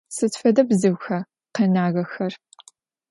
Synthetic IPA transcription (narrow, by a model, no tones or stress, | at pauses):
sɨtfɐdɐbzɨwʷxɐ | qenaːɣɐxɐr